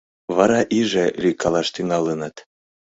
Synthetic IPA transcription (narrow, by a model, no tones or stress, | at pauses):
βɑɾɑʔiʒelʲikɑlɑʃt̪yŋɑlənɑt̪